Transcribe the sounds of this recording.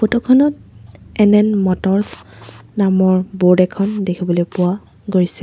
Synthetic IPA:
potɔkʰɔnɔtɛnɛnmɔtɔɹsnamɔɹboɹdɛkʰɔndekʰibɔlojpʊwa | ɡojsɛ̥

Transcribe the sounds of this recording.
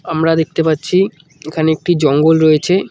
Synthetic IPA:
amɾad̪ek̚t̪epatːɕʰi | ekʰaneek̚ʈid͡ʑɔŋɡolɾojet͡ɕʰe

